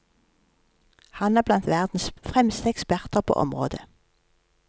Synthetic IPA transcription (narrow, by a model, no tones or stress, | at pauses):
hɑnæːʁblɑnt̪ʋæʁd̪n̩sfʁɛmst̪əɛkspæʁt̪əʁpʰo̰ːʔɔ̰mʁo̰ːd̪ə